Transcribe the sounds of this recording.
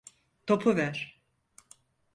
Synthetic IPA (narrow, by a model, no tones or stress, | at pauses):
t̪ʰopʰuvæɾ̥